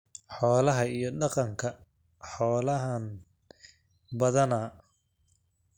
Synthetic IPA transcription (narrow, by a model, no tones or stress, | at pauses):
ħɔːlɐɦɐijɞɖɑqɑŋkʰɐ | ħɔːlɐɦɐn | bɐðɐnɐ